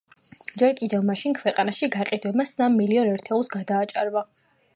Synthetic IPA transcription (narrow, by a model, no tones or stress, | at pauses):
d͡ʒɛɾkʼid̪ɛvmaʃinkʰwɛqʼanaʃiɡaqʼid̪wɛbasamːiliɔnɛɾt̪ʰɛulˠsɡad̪aːt͡ʃʼa̰ɾva